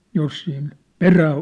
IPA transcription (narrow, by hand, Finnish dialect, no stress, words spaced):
jos siːn peræː